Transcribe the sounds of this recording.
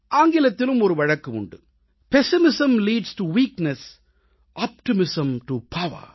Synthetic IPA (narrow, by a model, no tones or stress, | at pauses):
ʔaːŋɡɪlɐt̪ːɪlɯmɔɾɯʋɐɻɐkːɯʊ̰ɳɖɯ̰ | pɛsɪmɪsɐ̃mliːɖsʈuʋiːknɛs | ʔaːp̚ʈɪmɪsɐ̃mʈupʰɐʋɐ̰ɾ